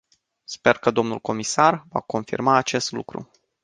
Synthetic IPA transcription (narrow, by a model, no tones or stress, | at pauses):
spe̞rkəd̪o̞mnulko̞misarva̰ko̞nfḭrmaːt͡ʃe̞st̪lṵkɾṵ